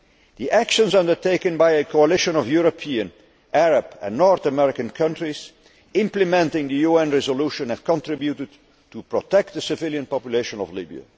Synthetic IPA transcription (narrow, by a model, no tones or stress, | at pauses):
ðiʔækʃə̃nzʌ̃ndə˞teɪkɨ̃nbaɪɨkʰoəlɪʃə̃nɔvjuɹopʰiɨ̃n | ʔæɹəbɨ̰̃nːɔɹθəmɛɹɪkə̃nkʰʌ̃ntɹiz̥ | ɪ̃mplɨmɛ̃ntɪ̃ŋðɨjuɛ̃nɹɛzəluʃə̃nhɨv̥kə̃ntɹ̥ɪbjutɨd̚ | tupɹɔtɛk̚t̪̚ðəsɪvɪlˠjə̃npɑpjuleɪʃə̃nɔ̰vlɪbḭə̰